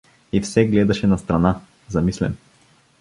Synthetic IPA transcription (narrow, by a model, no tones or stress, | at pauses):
ifsɛɡlɛd̪ɐʃɛnɐst̪ɾana | zɐmislɛ̰m